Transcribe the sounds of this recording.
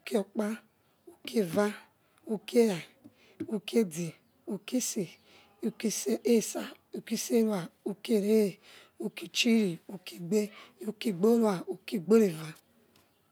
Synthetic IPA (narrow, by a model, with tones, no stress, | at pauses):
u˨ke˦o˨k͡pa˦ | u˦kʰe˦˨va˦ | u˦ke˦ja˨ | u˦ke˦di˨ | u˨ki˦se˨ | u˨ki˦se˦ʔe˦˨sa˨ | u˨ki˦se˦wa˨u˨ke˦˨ɾe˦˨ | u˦ki˦t͡ʃi˦ɾi˨u˨kʰi˦˨ɡ͡be˦u˦ki˦ɡ͡bo˦wa˨u˨ki˦ɡ͡be˦ɾe˨va˦